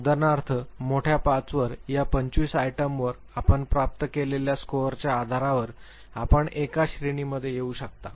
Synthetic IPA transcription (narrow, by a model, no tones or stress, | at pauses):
d̪ənaɾt̪ʰəmoʈʰjapat͡sʋəɾjapəɲt͡ɕʋiːsajʈəmʋəɾ | apəɳpɾap̚t̪əkeleljaskoɾt͡ɕjaːd̪ʱaɾaʋəɾ | apəɳekaɕɾiɳiməd̪ʱːjejeuːɕək̚t̪a